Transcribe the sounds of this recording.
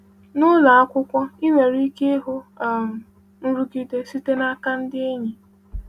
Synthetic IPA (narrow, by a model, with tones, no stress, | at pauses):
nʊ˦la˨a˦kʷʊ˦kʷɔ˦ɪ˦me˨ɾi˦ke˦ɦʊ˦a˦˨m̩˨ | n̩˦ɾu˦ki˦te˦si˦te˦na˦ka˦n̩˦dɪ˦e˦ɲi˨